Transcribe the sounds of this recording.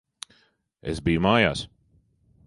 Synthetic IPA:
ɛzbimajas

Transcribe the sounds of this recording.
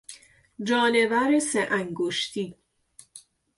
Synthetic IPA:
d͡ʒɒːlevæɾeseʔæŋɡoʃt̪ʰi

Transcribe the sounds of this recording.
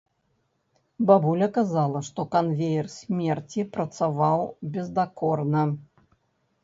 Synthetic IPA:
babulʲɐkazalˠɐʂt̪ɔkanvʲejɛrsʲmʲɛrt͡sʲipɾɐt̪savawbʲɛzd̪akɔrnɐ

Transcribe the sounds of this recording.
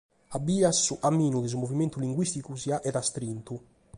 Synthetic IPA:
abːiːasuʔamːiːnuðez̬umovimɛnt̪uliŋɡwist̪ikusiaʔɛðast̪ɾint̪u

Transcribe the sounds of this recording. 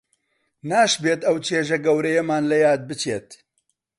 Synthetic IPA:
naːʃbeːt̪ɐwt͡ʃʰeːʒɐɡɐwɾɐjɐmaːnlɐjaːd̪̚bɨt͡ʃʰeːt̪

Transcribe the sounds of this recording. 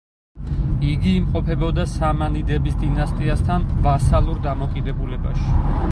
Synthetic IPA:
iɡiːmqʼɔpʰɛbɔd̪asamanid̪ɛbisd̪inast̪ʼiast̪ʰanvasalˠuɾd̪amɔkʼid̪ɛbulɛba̰ʃi̥

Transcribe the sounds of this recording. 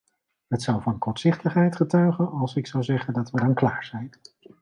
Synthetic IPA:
ɦətsɑwvɑnkɔɹtsɪχtəχɦɛjtχətœɥχənɑlˠsɪksɑwzɛχəndɑtʋədɑnklaːɹz̥ɛjn

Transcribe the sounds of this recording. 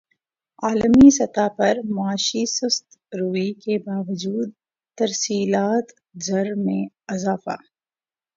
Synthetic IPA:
aːləmisɐt̪apɐɾmʊaːʃisʊst̪ɾuːikebaːʋəd͡ʒuːd̪̚ | t̪ɐɾsiːlaːt̪ | d͡ʒɐɾmẽ | ɪzaːfa̰ː

